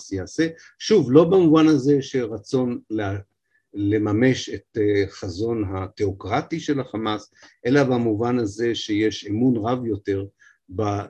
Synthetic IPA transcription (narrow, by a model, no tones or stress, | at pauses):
sjaase̞ | ʃuvlo̞bamuvanaze̞ʃe̞ʁat͡so̞nle | le̞mame̞ʃetχazo̞nɦat̪eokʁatiʃe̞laχamasʔe̞labamuvanhaze̞ʃe̞jeʃemunʁavjo̞te̞ʁ | ba